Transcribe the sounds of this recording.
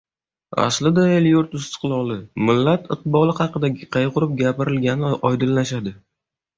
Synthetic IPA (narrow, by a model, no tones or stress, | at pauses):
a̰slɪd̪aeljʊɾt̪ʊst̪ɨ̥qlˠɒlˠɪmɪlːat̪ɨq̚bɒlˠɪhɑqɨd̪aɡʲɪqʰɑjqʊɾɪp̚ɡʲapɪɾɪlɡʲanɪʔɒjd̪ɪlːaʃad̪ɪ